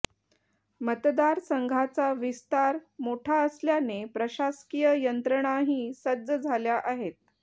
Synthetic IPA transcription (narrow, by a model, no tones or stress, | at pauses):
mət̪d̪aɾsəŋɡʱat͡saʋist̪aɾmoʈʰaəsljanepɾəɕaskijəjənt̪ɾəɽ̃aɦiːsəd̪d͡zəd͡zʱaljaʔaɦet̪̚